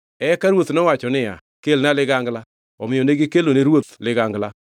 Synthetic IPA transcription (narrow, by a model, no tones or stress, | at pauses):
ɛkaɾwot̪nɔwat͡ʃɔnɪa̰ | kelnalɪɡaŋɡla | ɔmɪjɔneɡɪkeloneɾwot̪lɪɡaŋɡla